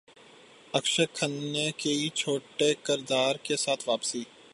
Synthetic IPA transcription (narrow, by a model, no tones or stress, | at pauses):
əkʃəkʰənekeit͡ʃʰoːʈekɪɾd̪aːɾkesaːt̪ʰʋaːpsiː